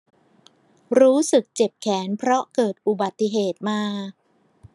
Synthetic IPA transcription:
ɾuː˦˥sɯ˨˩k̚t͡ɕe˨˩p̚kʰɛː˩˦npʰɾɔ˦˥ʔkɤː˨˩t̪̚ʔu˨˩ba˨˩t̪ːi˨ɦeː˨˩t̪̚maː˧

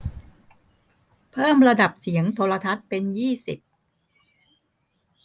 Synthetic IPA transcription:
pʰɤː˥˩mɾa˧da˨˩p̚si˩˦əŋt̪ʰoː˧la˧t̪ʰa˦˥t̪̚pe˧njiː˥˩si˨˩p̚

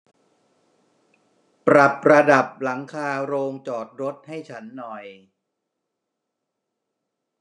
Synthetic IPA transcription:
pɾa˨˩p̚ɾa˧da˨˩p̚la˩˦ŋkʰaː˧ɾoː˧ŋt͡ɕɔː˨˩t̪̚ɾo˦˥t̪̚ha˥˩jt͡ɕʰa˦˥nːɔ˨˩j

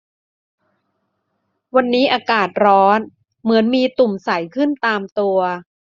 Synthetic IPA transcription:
wa˧nːiː˦˥ʔaː˧kaː˨˩t̪̚ɾɔː˦˥n | mɯ˩˦ənmiː˧t̪u˨˩msa˩˦jkʰɯ˥˩nt̪aː˧mt̪u˧ɐ

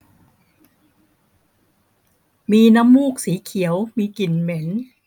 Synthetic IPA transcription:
miː˧na˦˥mːuː˥˩k̚siː˩˦kʰi˩˦əwmiː˧ki˨˩nme˩˦n

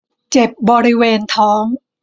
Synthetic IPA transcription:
t͡ɕe˨˩p̚bɔː˧ɾi˦˥weː˧nt̪ʰɔː˦˥ŋ

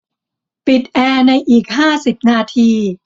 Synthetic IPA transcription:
pi˨˩t̪̚ʔɛː˧na˧jʔiː˨˩k̚ɦaː˥˩si˨˩p̚naː˧t̪ʰiː˧

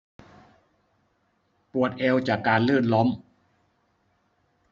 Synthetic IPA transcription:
pu˨˩ət̪̚ʔɛː˧wt͡ɕaː˨˩kːaː˧nlɯː˥˩t̪̚lɔ˦˥m

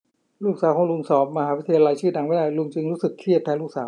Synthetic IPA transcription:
luː˥˩k̚saː˩˦wkʰɔ˧ŋlu˧ŋsɔː˨˩˦p̚ma˧ɦaː˩˦wʰi˦˥t̪ʰa˧ja˧la˧jt͡ɕʰɯː˥˩na˩˦ŋwaː˥˩lu˧ŋt͡ɕɯ˧ŋɾuː˦˥sɯ˨˩kʰːi˥˩ət̪ʰːɛː˧luː˥˩k̚saː˩˦w

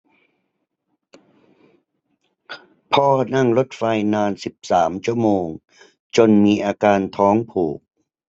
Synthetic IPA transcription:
pʰɔː˧˩na˥˩ŋɾo˦˥t̪̚fa˧jnaː˧nsi˨˩p̚saː˩˦mt͡ɕʰu˥˩əmoː˧ŋ | t͡ɕo˧nmiː˧ʔaː˧kaː˧nt̪ʰɔː˦˥ŋpʰuː˨˩k̚

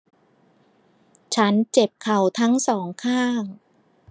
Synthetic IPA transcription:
t͡ɕʰa˦˥nt͡ɕe˨˩p̚kʰa˨˩wt̪ʰa˦˥ŋsɔː˩˦ŋkʰaː˥˩ŋ

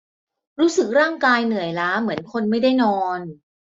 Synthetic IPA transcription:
ɾuː˦˥sɯ˨˩k̚ɾaː˥˩ŋkaː˧jnɯ˨˩əjlaː˦˥mɯ˩˦ənkʰo˧nma˥˩jda˥˩jnɔː˧n

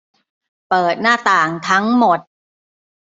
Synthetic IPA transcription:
pɤː˨˩t̪̚naː˥˩t̪aː˨˩ŋt̪ʰa˦˥ŋmo˨˩t̪̚

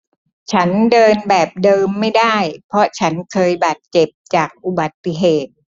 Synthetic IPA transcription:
t͡ɕʰa˦˥ndɤː˧nbɛː˨˩p̚dɤː˧mːa˥˩jda˥˩jpʰɾɔ˦˥t͡ɕʰa˦˥nkʰɤː˧jbaː˨˩t̪̚t͡ɕe˨˩p̚t͡ɕaː˨˩k̚ʔu˨˩ba˨˩t̪ːi˨˩ɦeː˨˩t̪̚

